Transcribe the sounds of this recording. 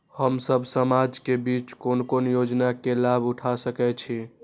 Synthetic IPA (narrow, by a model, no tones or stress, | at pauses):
həmsəbʱsəmad͡ʒkebit͡ʃkonkonjod͡ʒnakelabuʈʰasəkɛt͡ʃʰi